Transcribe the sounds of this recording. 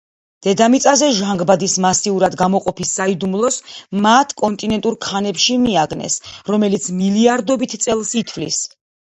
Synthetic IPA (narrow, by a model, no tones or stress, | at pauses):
d̪̥ɛd̪amit̪sʼazɛʒaŋɡbad̪ismasiuɾad̪ɡamɔqʼɔpisːaid̪umlˠɔsmat̪ʰkʼɔnt̪ʼinɛnt̪ʼuɾkʰanɛpʃimiaɡnɛ̰sɾɔmɛlit̪sʰmiliaɾd̪ɔbit̪ʰt̪sʼɛlˠsit̪ʰvlḭs